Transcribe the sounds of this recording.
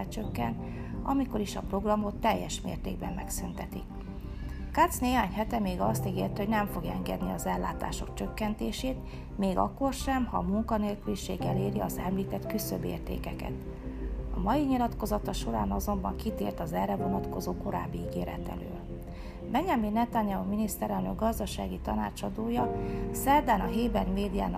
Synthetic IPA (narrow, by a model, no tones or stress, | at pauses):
ɛt͡ʃø̞kːɛnt̪ | ɒ̰miko̞ɾiʃɒpro̞ɡrɒmo̞t̪ːɛjːɛʃmḛːrt̪ḛːɡbɛmːɛksynt̪ɛt̪ik | kat̪sneːɦaːɲhɛt̪ɛmeːɡɒst̪iɡeːrt̪ɛho̞ɟnɛɱfo̞ɡjɛŋɡɛ̰d̪niɒzɛlːa̰ːt̪a̰ːʃo̞kt͡ʃøkːɛnt̪eːʃeːt̪ | meːɡɒ̰kːo̞rʃɛmhɒ̰muŋkɒneːlkyliʃeːɡɛleːɾiɒzɛmliːt̪ɛt̪kysøbḛːrt̪ḛːkɛkɛ̰t̪ | ɒmɒjiɲilɒt̪ko̞zɒt̪ɒʃo̞ɾa̰ːnɒzo̞mbɒŋkit̪ḛːrt̪ɒzɛrːɛvo̞nɒt̪ko̞zoːko̞ɾa̰ːbːiiɡeːɾɛ̰t̪ɛ̰lø̰ːl | bɛɲɛminːɛt̪aɲɛuminist̪ɛɾɛlnøɡ̚ɡɒzd̪ɒʃa̰ːɡit̪ɒna̰ːt͡ʃɒd̪oːjɒsɛrd̪aːnɒɦeːbɛrmeːd̪ija̰ːn